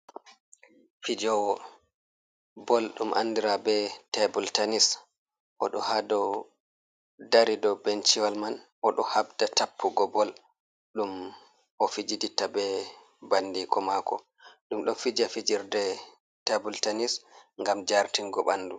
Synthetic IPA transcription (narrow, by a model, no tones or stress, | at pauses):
fid͡ʒɔwɔ | bɔlɗumʔa̰ndiɾabɛtɛbultanis | ʔɔɗɔhadɔ | daɾidɔbɛnt͡ʃiwalman | ʔɔɗɔhabdatapʰːuɡɔbɔl | ɗum | ʔɔfid͡ʒiditabɛ | bandikɔmakɔ̰ | ɗumɗɔnfid͡ʒafid͡ʒiɾdɛ | tabultanisŋɡamd͡ʒaɾtiŋɡɔ̰ɓa̰nːdu